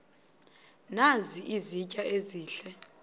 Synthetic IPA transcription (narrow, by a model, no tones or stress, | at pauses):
naziʔizicʼaʔeziːɬɛ